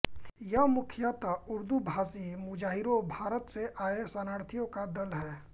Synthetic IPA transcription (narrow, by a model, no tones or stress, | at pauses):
jɐɦmʊkʰjat̪aʊɾd̪ubʱaːsimʊd͡ʒaːɦɪɾõbʱaːɾət̪seʔaːesɐnaːɽt̪ʰijõkad̪ɐlɦɛː